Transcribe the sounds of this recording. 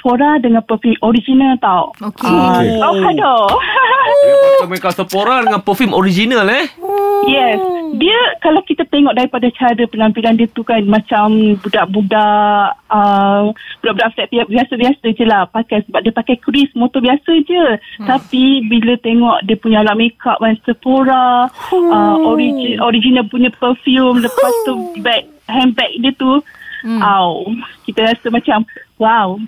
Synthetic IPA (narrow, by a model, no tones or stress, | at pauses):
pʰoɾadəŋãnpəfimoɾid͡ʒinalt̪awokawadɔ | amekasəpoɾadəŋãnpəfimoɾid͡ʒinalɛjɛsdiəkalawkit̪at̪eŋɔʔdaɾipadat͡ʃaɾəpənãmpilandiət̪ukanmãt͡ʃambudaʔbudaʔʔʔʔəbbudaʔbudaʔft̪ɛʔ̚t̪iap̚biasəbiasəd͡ʒəlahpakajsəbap̚diəpakajkɾismot̪ɔbiasəd͡ʒət̪apibilət̪eŋɔʔdiəpuɲaalaʔmekʰaʔansəfoɾa | əoɾid͡ʒoɾid͡ʒinapuɲãpəfjumləpast̪ubɛk̚hɛmbɛk̚diət̪uʔawkit̪əɾasəmãt͡ʃamwaw